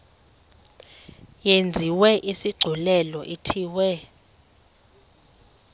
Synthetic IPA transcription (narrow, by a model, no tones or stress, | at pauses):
jend͡zʱiwɛʔisiɡ͡ǀʱulɛlɔʔitʰiːwɛ